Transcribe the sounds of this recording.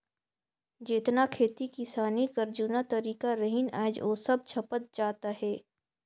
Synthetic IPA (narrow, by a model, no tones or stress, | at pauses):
d͡ʒɪt̪nakʰeːt̪ikɪsaːnikɐɾd͡ʒuːnat̪ɐɾiːkaɾəɦɪna̰ːd͡ʒoːsɐb̚t͡ʃʰɐpət̪̚d͡ʒaːt̪aɦɛː